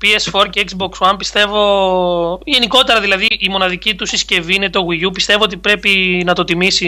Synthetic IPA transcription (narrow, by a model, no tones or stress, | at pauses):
piesfo̞ɾceekzbo̞kswɐmpist̪e̞vo̞ | ʝe̞niko̞t̪e̞ɾɐðilɐðiʔːmo̞nɐðicit̪usisce̞viine̞t̪o̞ɣiʝupist̪e̞vo̞o̞t̪ipɾe̞pinɐt̪o̞t̪imisi